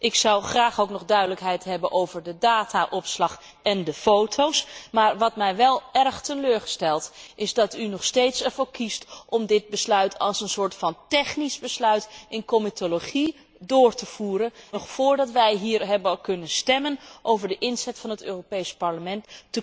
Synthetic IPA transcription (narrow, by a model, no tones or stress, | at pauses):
ʔɪksɑwχraːχowknɔχdœɥdələkɦɛjtɦɛbənʔowvəɹdədaːtaʔɔpslɑχ | ɛndəfowtʰowsmaːɹʋɑtmɛjʋɛlˠɛrχtəløːɹχəstɛlˠtʔɪzdɑtynɔχstejtsəɹvokʰistʔɔmdɪt̚bəslœɥtʰɑlˠsənsʊːɹtfɑntɛχnisbəslœɥtʔɪnkomitʰoloχi | dʊːɹtəv̥uːɾənnɔχfʊːɹdɑtʋɛjɦiːɹɦɛblˠkɵnənstɛmənʔowvəɹdəʔɪnzɛtfɑnɦətøːropejspɑɹləmɛntːə